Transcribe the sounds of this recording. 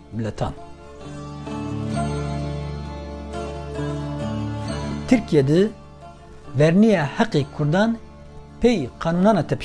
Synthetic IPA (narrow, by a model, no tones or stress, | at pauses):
bɨlɛt̪ʰɑ̰ːn | t̪ʰɨɾkijɛd̪ɨ | vɛɾnijɑhɛqekʰʊɾd̪ɑːn | pʰɛjqʰɑːnunɑːnɑːt̪ʰɛp